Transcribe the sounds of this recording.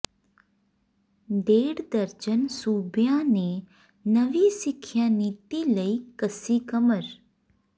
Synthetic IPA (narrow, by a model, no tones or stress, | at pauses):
ɖeːɽd̪əɾd͡ʒənsuːbjãne | nəʋisɪkʰːjaniːt̪iləikəsikəməɾ